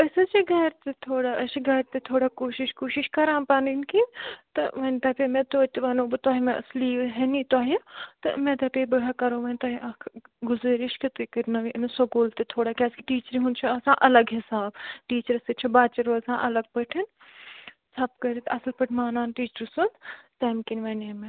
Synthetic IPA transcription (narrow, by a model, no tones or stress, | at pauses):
əsɨt͡ʃiɡɐɾt̪et̪ʰoːɽaʔɐʃiɡɐɾt̪et̪ʰoːɽaːkoːʃɪʃkoːʃɪʃkɐɾãːpaninkit̪ɐʋɐnt̪ɐːpemẽt̪oːt̪ʋɐnõːbɨt̪aːɦimẽʔɐsliːʋɦenĩt̪aːɦit̪ɐ̰mẽt̪ɐpeːbɐɽaːkɐɾõːʋɐnt̪aːɦiʔɐkʰɡʊzɐːɾiʃkit̪ukəɾnɐʋiʔnsoɡoːlt̪et̪ʰoːɽaːkʲaːskiʈiːt͡ʃəɾiɦũnt͡ʃʰɐɐsãːʔɐlɐɡɦɪsaːbʈiːt͡ʃəɾsit͡ʃʰɐbaːt͡ʃɐɾoːɐsãːʔɐlɐɡ̚pɐʈʰin | sʰɐpkɐɾit̪ɐslpɐʈʰmaːnaːnʈiːt͡ʃəɾsund̪t̪ɐːmkinʋɐnɐmẽ